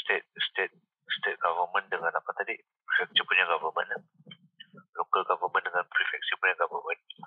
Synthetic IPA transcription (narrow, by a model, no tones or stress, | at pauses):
st̪et̪̚st̪et̪̚ | st̪et̪̚ɡavəmə̃ndəŋanakat̪adi | pɾifɛk̚sipuɲaɡavəmə̰nla | lukəɡavəmə̃ndəŋanpɾifɛk̚sipuɲaɡavəmə̃n